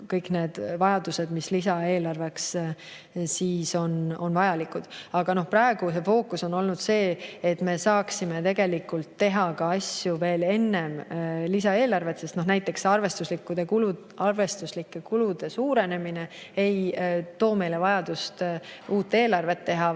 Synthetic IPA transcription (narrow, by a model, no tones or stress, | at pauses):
kɤjkne̞ːd̪̥vɑjɑd̪use̞d̪mislisɑe̞ːlɑrve̞ks | siːso̞no̞nvɑjɑlikˑud̪̥ɑɡ̥ɑno̞hpɾɑːeɡ̥use̞fo̞ːkːuso̞no̞lnud̪̥se̞ːet̪ːme̞sɑːksime̞t̪e̞ɡ̥e̞likult̪ːe̞ɦɑkɑɑsʲjuve̞ːle̞nːe̞mlisɑe̞ːlɑrve̞t̪sest̪no̞ɦnæjt̪ːˑe̞ksɑrve̞st̪uslikːˑud̪e̞kulu | ɑrve̞st̪uslikːˑe̞kulud̪̥e̞suːɾe̞ne̞mine̞ | ejt̪o̞ːme̞jle̞vɑjɑd̪̥ust̪uːt̪ːe̞ːlɑrve̞t̪ːe̞ɦɑ